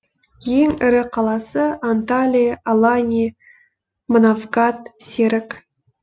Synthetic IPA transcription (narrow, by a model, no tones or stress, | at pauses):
jeŋɪɾɪqʰɑlˠɑsəant̪alʲijʔalˠanʲi | mənavɡɑt̪sʲeɾɪk